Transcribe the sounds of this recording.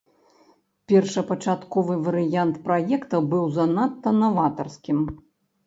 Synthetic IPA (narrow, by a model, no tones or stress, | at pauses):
pʲɛrʂɐpɐt͡ʂat̪kɔvɨvɐɾɨjant̪pɾajɛkt̪ɐbɨwzɐnat̪ːɐnɐvat̪ɐrskʲim